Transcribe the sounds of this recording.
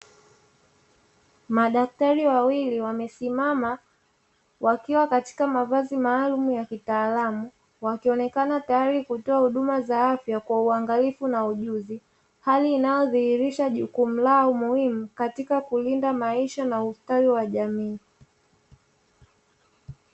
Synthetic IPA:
maɗak̚taɾiwawiliwamɛsimama | wakiwakati̥kamavazimaːlumujakitaːlamu | wakiɔnɛkanatajaɾikutɔahuɗumazaafjakwauaŋɡalifunauʄuzi | haliːnajɔðihiɾiʃaʄukum̩laumuhimukatikakulindamaiʃanaustawiwaʄamiː

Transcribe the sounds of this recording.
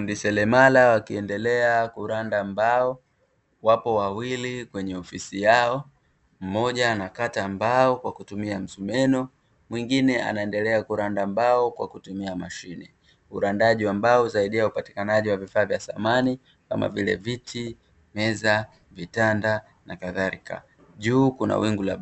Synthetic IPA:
undisɛlɛmalawakiɛndɛlɛakuɾandambaɔ | wapɔwawilikwɛɲɛɔfisijaɔ | m̩mɔʄanakatambaɔkwakutumiam̩zumɛnɔ | mwiŋɡinɛa̰naɛndɛlɛakuɾandambaɔkwa̰kutumiamaʃini | uɾandaʄiwambaɔzaiɗiaupati̥kanaʄiwavifaːvjasamani | ka̰ma̰vilɛ̰vitʰi | mɛza | vitanda | nakaðaɾika̰ | ʄuːkuna̰wiŋɡula

